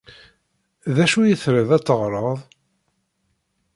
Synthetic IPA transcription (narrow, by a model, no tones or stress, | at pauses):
ðæʃujəθɾəðæt͡sːəʁɾˤəðˤ